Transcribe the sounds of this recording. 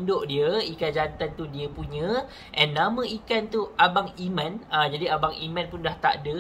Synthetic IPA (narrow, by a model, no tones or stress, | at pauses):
ndoʔdiəikand͡ʒant̪ant̪udiəpuɲə̃ | ʔɛnːãmə̃ʔikant̪uʔabaŋimãnad͡ʒadiabaŋimãnpundaht̪a̰ʔdə